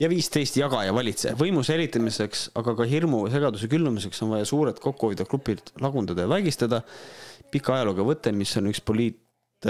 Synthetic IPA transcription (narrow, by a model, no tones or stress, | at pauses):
jɑviːst̪e̞jst̪jɑɡ̥ɑjɑvɑlʲit̪se̞̰vɤjmuselʲːit̪ːˑɑmiseksɑɡ̥ɑkɑɦirmus̬e̞ɡ̥ɑd̪use̞kylːumise̞kso̞nvɑjɑsuːɾet̪ko̞kːˑuhovid̪̥ɑklupˑilt̪lɑɡund̪̥ɑd̪̥ɑjɑvæɡ̥ist̪ɑd̪̥ɑpikːˑɑɑjɑloɡɑvɤt̪ˑːe̞misːo̞nykspo̞lʲiːt̪